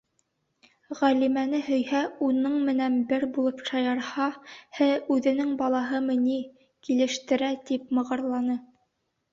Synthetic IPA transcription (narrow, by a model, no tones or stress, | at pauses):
ʁælimænɘɦɵ̆jhæunɤɴmɘ̆nænbɘɾbulˠɤpʃɑjɑɾhɑhɘʉðɘ̆nɘŋbɑlˠɑɦɤmɤ̆ni | kilɘ̆ʃt̪ɘ̆ɾæt̪ip̚mɤ̆ʁɤ̆ɾlˠɑnɤ